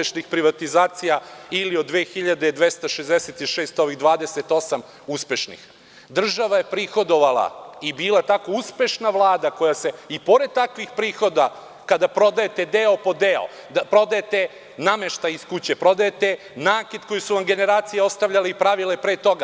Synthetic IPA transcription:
eʃnixpɾiʋat̪izaːt̪sijailio̞d̪ːʋeːxiʎad̪ed̪ʋest̪aʃezd̪eset̪iʃeːst̪o̞ʋiɣd̪ʋaːd̪eset̪o̞sam | uspe̞ʃnḭx | d̪r̩ʒaʋaje̞pɾixo̞d̪o̞ʋala̰ibiːlˠat̪ako̞uspe̞ʃnaʋlˠaːd̪ako̞jase̞ipo̞ɾed̪̚t̪akʋixpɾiːxo̞d̪a | kad̪apɾo̞d̪ajet̪e̞d̪eopo̞d̪eo̰ | d̪apɾo̞d̪ajet̪e | nameʃt̪aiskut͡ɕepɾo̞d̪ajet̪e | naːkid̪ko̞jisuʋamɡe̞ne̞ɾaːt̪sijeo̞st̪aʋʎʲaleipɾaʋilepɾeːt̪o̞ɡa

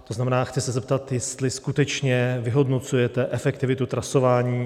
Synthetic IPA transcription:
t̪oznamɛnaːxt͡sɪsɛzɛp̚t̪at̪jɛst̪lɪskut̪ɛt͡ʃɲɛvɪɦo̞dno̞t͡sujɛt̪ɛʔɛfɛkt̪ɪvɪt̪ut̪ɾaso̞vaːɲiː

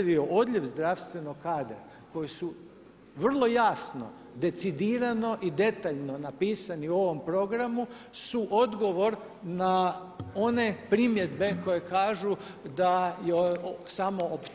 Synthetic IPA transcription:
ʋio̞ʔo̞d̪ʎʲe̞ʋzd̪ɾaʋst̪ʋe̞noɡkaːd̪ɾ | ko̞jisu | ʋr̩lˠo̞jaːsno̞̰ | d̪e̞t̪sid̪iːɾano̞ʔid̪e̞t̪aʎno̞napiːsaniuo̞ʋo̞mpɾo̞ɡɾamu | suʔo̞d̪ɡo̞ʋo̞ɾ | na | o̞ne̞pɾimje̞d̪be̞ko̞je̞kaːʒu | d̪ajesamo̞op

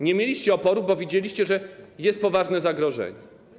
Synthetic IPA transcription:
ɲɛmʲjelʲiɕt͡ɕɛɔpɔɾuvbɔvʲjid͡ʑelʲiɕt͡ɕɛʐɛjɛst̪̚pɔvaʐnɛzaɡɾɔʐɛ̰ɲɛ

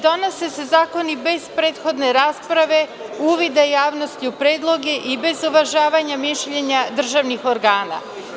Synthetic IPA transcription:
d̪o̞no̞se̞se̞zaːko̞nibe̞zpɾe̞ːt̪xo̞d̪ne̞ɾaːspɾaʋe̞uːʋid̪ajaːʋno̞st̪iupɾeːd̪lˠo̞ɡeʔibe̞zuʋaʒaːʋaɲamiʃʎeɲad̪r̩ʒaʋnixoɾɡaːna̰

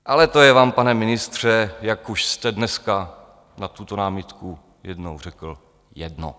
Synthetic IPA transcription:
ʔalɛt̪ojɛvaːmpanɛmɪnɪst̪r̝̥ɛjakuʃst̪ɛdnɛska | nat̪ut̪onaːmɪt̪ku | jɛdnowr̝ɛkl̩ | jɛdno̰

